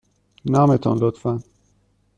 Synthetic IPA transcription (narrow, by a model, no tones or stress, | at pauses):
naːmet̪ʰɔ̰nlot̪fæn